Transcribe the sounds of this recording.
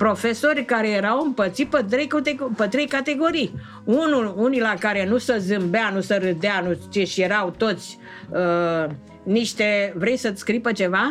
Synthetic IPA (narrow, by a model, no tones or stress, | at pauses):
pɾo̞fe̞so̞rʲkaɾe̞jeɾawɨmpət̪sit̪pət̪̬ɾejkut̪epət̪ɾe̞jkat̪e̞ɡo̞ɾij | unulunilakaɾe̞nusəzɨmbeanusəɾɨd̪eanut͡ʃeʃje̞ɾawt̪o̞t̪sʲ | ə | niʃt̪e̞vɾe̞jsət̪skɾipət͡ʃe̞va